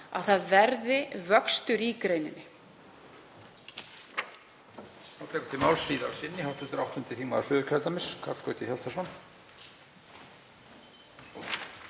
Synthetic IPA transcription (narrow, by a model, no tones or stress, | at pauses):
a̰θaðvɛɾðɪvœkst̪ʏɾikɾejnɪ̰nːɪ | awt̪ʰɛːkʏ̥t̪ʰɪmaːwlsriːðalsɪnːɪhawht̪ʏnt̪ʏɾawht̪ʏnt̪ɪθiːmaðsʏːðʏkʰɛɾt̪amɪskʰat̪kœːɥt̪ɪçjalt̪ʰasɔn